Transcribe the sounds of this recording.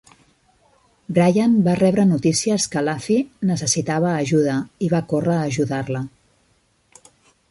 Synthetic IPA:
bɾajanbarɛβɾənut̪isiəskəlafinəs̬əsit̪aβ̞əːʒuðəiβakorəːʒuðarlə

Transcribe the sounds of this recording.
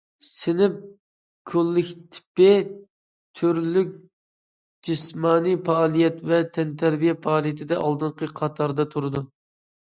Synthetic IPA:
sɪnɪp̚ | kʲʰolːɪkʲt̪ʰɪ̥pɪ | t̪ʰyɾlyk̚ʲ | d͡ʒismɑːnipɑːlˠijɛt̪vɛt̪ʰɛnt̪ʰæɾbijɛpɑɑːlˠijɛt̪ʰɪd̪ɛʔɑlˠd̪ɨɴqʰəqʰɑt̪ʰɑɾd̪ɑt̪ʰuɾɨd̪u

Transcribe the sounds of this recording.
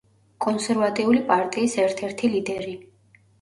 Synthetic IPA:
kʼɔnsɛɾvat̪ʼiulipʼaɾt̪ʼiːsɛɾt̪ʰɛɾt̪ʰilid̪ɛɾi

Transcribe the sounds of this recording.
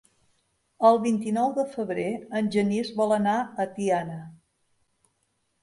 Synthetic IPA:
əlˠβint̪inɔwðəfəβɾeənʲʒənizβɔlənaət̪ianə

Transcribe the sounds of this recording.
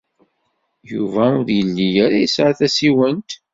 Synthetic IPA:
juvæʊɾjəlːijaɾæjəsʕaθæsiwənt̪

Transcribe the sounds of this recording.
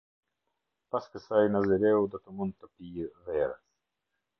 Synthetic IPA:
paskəsajnaziɾɛwd̪ɔt̪əmund̪̚t̪ːəpijvɛɾə̰s

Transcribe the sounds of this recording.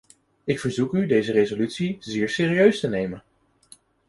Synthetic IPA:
ɪkfəɹzukydejzərezolytsizɪːɹsɪːriøɥstənejmən

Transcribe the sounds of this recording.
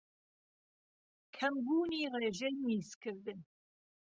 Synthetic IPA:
kʰɐmbuːniːreːʒeniːzkʰɨɾd̪ɨn

